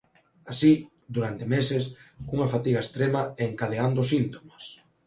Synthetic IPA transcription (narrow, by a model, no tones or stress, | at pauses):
asi | d̪uɾant̪emesɪskuŋɐfat̪iɣɐest̪ɾemɐɛːŋkaðeand̪ʊsint̪omɐs